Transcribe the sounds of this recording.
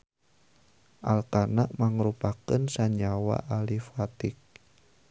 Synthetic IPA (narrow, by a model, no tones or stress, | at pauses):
ʔalkanaʔmaŋəɾupakənsaɲawa̰ʔalifat̪ɪk̚